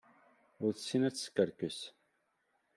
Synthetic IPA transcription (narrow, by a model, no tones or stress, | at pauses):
ʊɾθəsːinæt͡sːskːəɾkəs